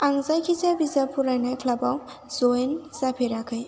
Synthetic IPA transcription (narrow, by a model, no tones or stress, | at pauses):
aŋzajkʰit͡sabizapʰuɾajnajkʰlabaw | zoenzapʰeɾakʰəj